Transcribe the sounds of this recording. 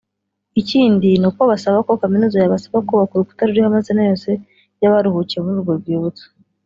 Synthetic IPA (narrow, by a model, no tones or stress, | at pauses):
iciːndinukwoβasaβako̞kaminuːzajaβasaβakuβakuɾuku̥taɾuɾihamazinajo̞ːse̞ | jaβaɾuhucijemuzuɡoɾɡwiːβut͡sḁ